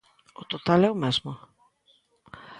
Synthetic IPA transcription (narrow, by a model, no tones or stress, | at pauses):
ʊt̪ot̪alɛʊmɛzmʊ